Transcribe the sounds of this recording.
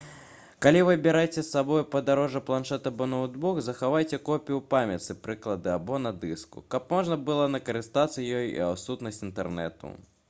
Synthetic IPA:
kalʲivɨbʲiɾajt͡sʲɛsːabɔjpɐd̪aɾɔʐɐplˠanʂɛt̪ɐbɔnɐud̪buɣzɐxavajt͡sʲɛkɔpʲijupamʲɐt̪sɨpɾɨklˠɐd̪ɨabɔnɐd̪ɨskṵkɐpmɔʐnɐbɨlˠɔnɐkɐɾɨst̪at̪sɐjɔjḭawsut̪nɐsʲtʲint̪ɛrnɛ̰t̪ṵ

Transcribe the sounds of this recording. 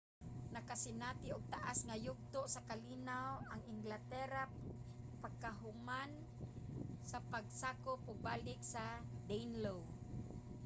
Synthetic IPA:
nakasɪnat̪ɪʊɡ̚t̪aʔasŋajʊɡ̚t̪ʊʔsakalinawaŋɪŋɡlat̪ɛɾa | paɡkaɦʊman | sapaɡ̚saːkʊp̚ʔʊɡ̚baːlɪk̚sad̪ejnlow

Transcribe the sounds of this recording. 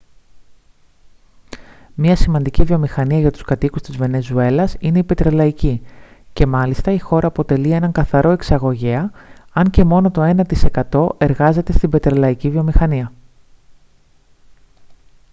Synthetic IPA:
mɲɐsimɐnd̪icivio̞mixɐniɐʝɐt̪u̥skɐt̪ikust̪izve̞ne̞zue̞lɐsine̞ipe̞t̪ɾelɐicice̞mɐlist̪ɐixo̞ɾɐːpo̞t̪e̞lie̞nɐŋkɐθɐɾo̞e̞ksɐɣo̞ʝeɐɐɲce̞mo̞no̞t̪o̞e̞nɐt̪ise̞kɐt̪o̞ʔe̞ɾɣɐze̞t̪e̞st̪ibe̞t̪ɾelɐicivio̞mixɐniɐ

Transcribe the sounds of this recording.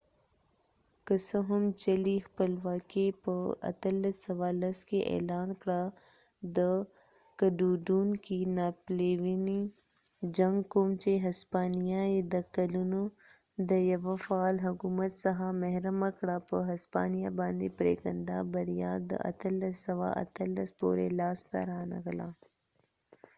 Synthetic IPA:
kəsɐɦʊmt͡ʃɐlixpəlʋaːkepəɐ̰t̪əlsɐʋaːlɐskeʔḛːlaːnkɽa | d̪ə | kɐɖuːɖuːnkinaːpleːʋini | d͡ʒɐŋɡkoːmt͡ʃeɦɐspaːnijaed̪ɐkɐlunu | d̪ɐjɐʋɐfaːlɦukuːmət̪sɐɦamɐɦɾəmakɽaːpəɦɐspa̰ːnijabãːnd̪ipɾḛːkənd̪aːbɐɾijaːd̪ə̰ʔɐ̰t̪ʰɐlɐsɐʋa̰ʔɐ̰t̪ʰɐlːɐspo̰ːɾḛlaːst̪a̰ɾaːnɐ̰ɡɐlaː

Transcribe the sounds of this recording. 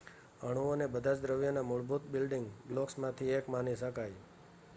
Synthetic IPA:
əɽ̃uonebəd̪ʱad͡ʒd̪ɾəʋjənamʊɭbut̪bɪlɖɪŋɡblɔksmãt̪ʰiekmanisəkaj

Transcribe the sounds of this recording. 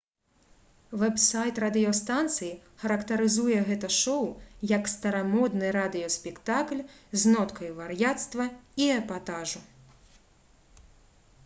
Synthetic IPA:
vɛbsajt̪rad̪ɨjɔst̪ant̪sɨji | xɐɾɐkt̪ɐɾɨzujɛɣɛt̪ɐʂɔwjɐkst̪ɐɾamɔd̪nɨɾad̪ɨjɔsʲpʲɛkt̪aklʲznɔt̪kʰɐjuvarjat̪st̪vɐiɛpat̪aʐu

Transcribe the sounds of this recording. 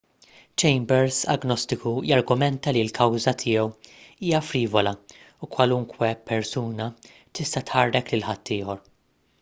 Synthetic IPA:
t͡ʃɛjmbɛɾsɐ̰ɡnɔst̪ɪkujɐɾɡʊmɛnt̪ɐlilkʰɐwzɐt̪ʰɪːjɛwiːjɐfɾiːvɔlɐ | ukwɐlʊŋkwɛpɛɾsuːnɐ | t̪ɪst̪ɐt̪ħɐrːɛklɪlħɐt̪ːɪːhɔɾ

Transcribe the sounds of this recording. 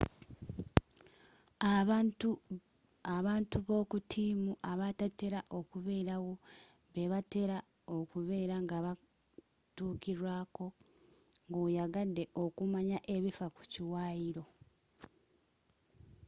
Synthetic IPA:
aβaːntuβo̞kutʰiːmuʔaβatate̞ɾaʔo̞kuβe̞ːɾawo̞ | βe̞βate̞ɾa | okuβe̞ːɾaŋɡaβa | tuːkiɾwaːko̞ | ŋɡojaɡadːe̞ʔo̞kumaɲaʔe̞βifaku̥ciwaːjiɾo̞

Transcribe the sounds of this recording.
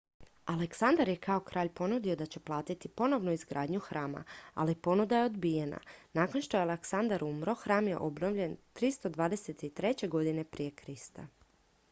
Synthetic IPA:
aleksand̪aɾje̞kao̞kɾʔaːʎpo̞nud̪io̞d̪at͡ɕe̞plˠaːt̪it̪ipo̞no̞ʋnuizɡɾaːd̪ɲuxɾaːma̰a̰lipo̞nud̪aje̞o̞d̪bije̞na̰naːko̞nʃt̪o̞jaleksand̪aɾumɾo̞xɾaːmje̞̰ʔo̞bno̞ʋʎe̞nt̪ɾist̪o̞d̪ʋaːd̪e̞se̞t̪it̪ɾe̞t͡ɕe̞ɡo̞d̪ine̞pɾije̞kɾist̪a̰

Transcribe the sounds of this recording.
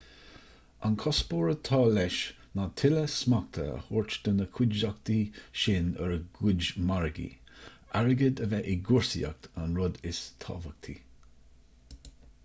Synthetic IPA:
a̰nkʰɔspoːɹət̪ʰɑːlɛʃ | nat̪ʰɪləsmak̚t̪ʰə̰ə̰hʊɹt͡ʃd̪̥ənəkʰwʊd͡ʒak̚t̪iʃɪnə̰ɹəɡʊd͡ʒmaɹɡḭ | aɹəɡəd̪əvɛʔɪɡʊɹsḭa̰k̚t̪ʰanɹʊd̪ɪst̪ʰɑ̰ːvək̚t̪ʰḭ

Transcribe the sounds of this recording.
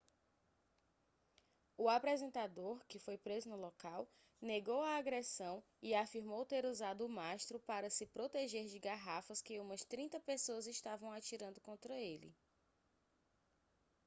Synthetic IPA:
ʊapɾɛzẽnt̪ad̪oɾkɪfojpɾezʊnʊlɔkaw | neɡowɐːɡɾesɐ̃w̃ | ɪafiɾmowt̪eɾuzad̪ʊːmaʃt̪ɾʊpaɾɐsɪpɾot̪eʒeɾd͡ʒɪɡaɦafɐskɪũmɐst̪ɾĩt̪ɐpesoɐzɪʃt̪avɐ̃w̃at͡ʃiɾɐ̃nd̪ʊkõnt̪ɾɐelɪ̰

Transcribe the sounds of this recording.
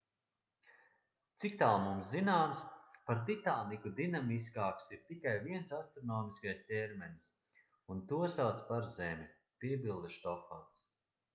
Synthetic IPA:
t̪sikt̪alˠmumszinaːmspaɾd̪it̪aːnikud̪inamis̬kaːksiɾt̪ikajviɛnsast̪ɾɔnɔːmiskajsʲt̪ʲeɾmɛns | unt̪uɔsawt̪spaɾzɛmʲi | piɛbʲilˠd̪ʃt̪ɔfa̰ns

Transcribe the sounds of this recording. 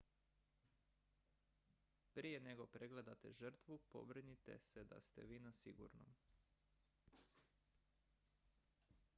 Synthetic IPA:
pɾije̞ne̞ɡo̞pɾeɡle̞d̪at̪e̞ʒər̩t̪ʋupo̞̰bɾnit̪e̞̰sed̪a̰st̪e̞̰ʋiːnasḭɡṵɾno̰m

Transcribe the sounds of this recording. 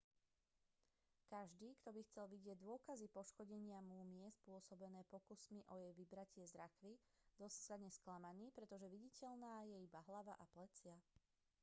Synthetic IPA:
kaʒd̪iːkt̪ɔbixt͡sɛlʋiɟɪɛɟd̪ʊɔkazipɔʃkɔɟɛɲɪamuːmɪɛspʊɔsɔbɛnɛːpɔkusmiʔɔjɛjʋibɾacɪɛzɾakʋi | d̪ɔsi̥sad̪ɲɛsklamaniːpɾɛt̪ɔʒɛʋiɟicɛʎnaːjɛibaɦlaʋa̰ʔaplɛt͡sɪa

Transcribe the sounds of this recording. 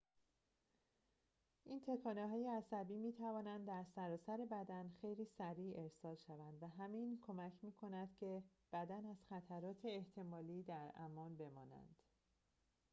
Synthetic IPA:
ʔiːnt̪ʰe̞kʰɒːneɦɒːjeæsæbiːmiːt̪ʰævɒːnænd̪d̪ːæɾsæɾɒːsæɾe̞bæd̪ænxe̞jliːsæɾiːe̞ɾsɒːlʃævænd̪væɦæminkʰo̞mæcʰmiːkʰo̞næd̪̥cʰe̞b̥æd̪ænæz̥xæt̪ʰæɾɒːt̪ʰe̞ːht̪ʰe̞mɒːliːd̪æɾæmɒːnbe̞mɒːnæ̰nd̪̥

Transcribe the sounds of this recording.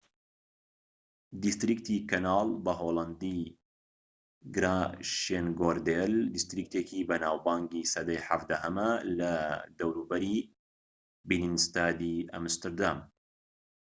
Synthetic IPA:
d̪ist̪ɾikt̪ʰikɐnaːlˠbɐɦolˠɐnd̪i | ɡɾaʃenɡoɾd̪eld̪ist̪ɾik̚t̪ekibɐnaːwbaːŋɡisɐd̪ɐjħafd̪ahɐmɐlɐd̪ɐwɾuːbɐɾi | bininst̪aːd̪iʔɐ̰mst̪ɨɾd̪am

